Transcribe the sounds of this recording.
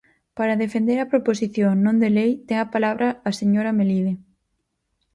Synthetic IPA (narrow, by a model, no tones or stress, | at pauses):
paɾɐðefend̪eɾɐpɾoposiθjoŋnõnd̪elejt̪ɛŋɐpalaβɾɐːseɲoɾɐmeliðe